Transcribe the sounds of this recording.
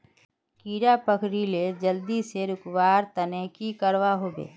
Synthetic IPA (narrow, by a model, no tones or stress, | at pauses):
kiːɾapəkɾiled͡ʒəld̪iseɾʊkwaːɾt̪ənekikəɾʋaɦoːbḛː